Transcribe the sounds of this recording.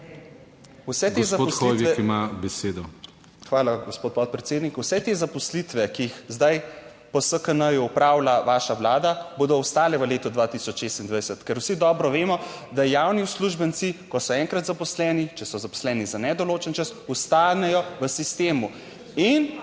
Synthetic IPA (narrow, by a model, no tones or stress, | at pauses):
usɛtɡ̪szapoɔsloiʋɛɛkimabɛseːd̪ɔ | xʋaːlaɡospoːt̪̚pɔt̪̚pɾɛt̪seːd̪nikusɛt̪ezapɔslit̪ʋɛkiixzd̪aj | pɔsəkənəjupɾawlaʋaːʃaʋlaːd̪aboːd̪ɔust̪aːlɛʋəleːt̪ɔd̪ʋat̪isɔt͡ʃʃest̪ind̪ʋajsət̪kɛɾwsid̪ɔːbɾɔʋeːmɔ | d̪ajaːwniusluʒbənt̪sikɔsɔɛŋkɾat̪zapɔslɛːnit͡ʃɛsɔzapɔ̥slɛːnizanɛd̪ɔloːt͡ʃənt͡ʃəsust̪aːnɛjɔʋəsist̪eːmu | in